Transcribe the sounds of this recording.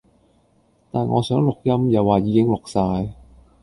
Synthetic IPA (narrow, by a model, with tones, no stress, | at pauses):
t̪aː˨nŋʔɔ̰ː˨˧sœː˨˥ŋlʊ˨k̚jɐ˥mjɐ˨wːaː˨˩jiː˨˧kɪ˥ŋlʊ˨k̚saː˧j